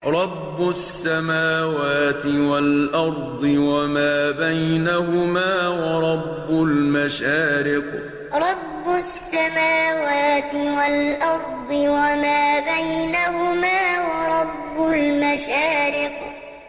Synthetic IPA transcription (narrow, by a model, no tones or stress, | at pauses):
ɾˤɑbːʊsːamaːwaːt̪ɪwalʔɑɾˤd̪ˤɨwamaːbajnahʊmaːwɑɾˤɑbːʊlmaʃaːɾɪq | ɾˤɑbːʊsːamaːwaːt̪ɪwalʔɑɾˤd̪ˤɨwamaːbajnahʊmaːwɑɾˤɑbːʊlmaʃaːɾɪq